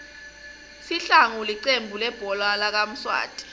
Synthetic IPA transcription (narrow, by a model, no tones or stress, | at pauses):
siɬaŋuliǀembʱulɛb̥ʱɔlwalak̬am̩swa̰ːd̥ʱʼi̥